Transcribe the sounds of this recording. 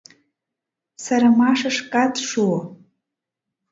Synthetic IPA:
saɾamaʂaʂkʼatʂu

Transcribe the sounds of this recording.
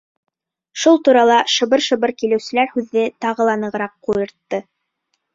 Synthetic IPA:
ʃulˠt̪uɾɑlˠɑʃɤ̆βɤɾʃɤ̆βɤɾkilɘ̆wsɘ̆læɾhʉðːɘt̪ɑʁɤlˠɑnɤ̆ʁɤ̆ɾɑqːujɤ̆ɾt̪ːɤ

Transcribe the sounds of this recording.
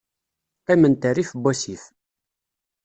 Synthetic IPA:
qimənt̪ərifbːɔsif

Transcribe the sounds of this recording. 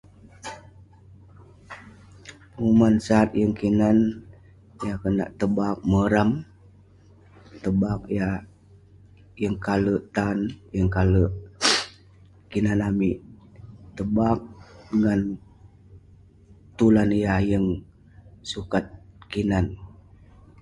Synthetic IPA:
mumansaːt̪̚jəŋkinan | jakəna̰ʔt̪əbak̚məɾam | t̪əbak̚ja | jəŋkaləʔt̪anjəŋkaləʔ | kinanamiʔt̪əbak̚dəŋan | t̪ulanjajəŋ | sukat̪̚kinan

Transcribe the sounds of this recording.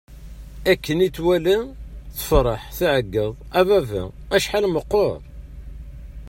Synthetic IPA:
ækːənit͡sːwælæθə̥fɾˤɑħθiʕəɡːəðˤævævæ̰æʃħalməqːoɾˤ

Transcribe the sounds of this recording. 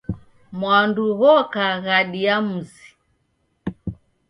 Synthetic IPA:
mwanduɣɔkaɣaɗiamuzi̥

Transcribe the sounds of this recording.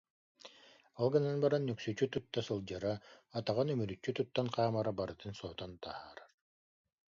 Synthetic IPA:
alˠɡɯnanbaɾanːyksyt͡ʃyt̪ut̪ːasɯlˠd͡ʑaɾaːt̪aʁanymyɾyt͡ʃːyt̪ut̪ːanqʰaːmaɾabaɾɯt̪ɯnsɔːt̪ɔnt̪ahaːɾaɾ

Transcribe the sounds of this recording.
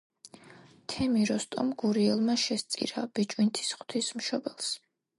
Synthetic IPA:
t̪ʰɛmiɾɔst̪ʼɔmɡuɾiɛlˠmaʃɛst̪sʼḭɾab̥it͡ʃʼwint̪ʰi̥sχwt̪ʰismʃɔbɛlˠs

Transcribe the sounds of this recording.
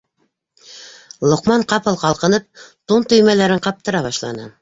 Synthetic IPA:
lˠŏqmɑɴqɑpɤlˠqɑlˠqɤ̆nɤp̚t̪unt̪ɵ̆jmælæɾɘɴqɑp̚t̪ɤ̆ɾɑβɑʃlˠɑ̰nɤ̰

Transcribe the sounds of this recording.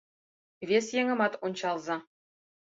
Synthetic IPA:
vʲesʲjeŋʲɤ̆mɑt̪unʲɕɑlˠzɑ̆

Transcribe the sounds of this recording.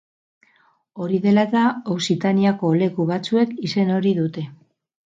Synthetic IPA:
o̞ɾiðe̞lat̪aowsit̪aniako̞le̞kuβat͡sue̞kise̞no̞ɾiðut̪e̞

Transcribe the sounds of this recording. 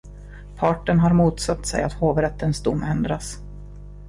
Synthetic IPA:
pʰɑːʈənɦaɾmuːt̪sat̪ːsɛ̰jat̪hoːvɾɛt̪ːənsd̪ʊmːɛnd̪ɾas

